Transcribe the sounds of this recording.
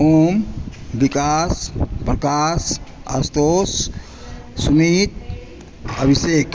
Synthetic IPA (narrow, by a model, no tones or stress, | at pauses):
ombikaspɾɐkasa̰st̪oːs | sumit̪̚ | əbisek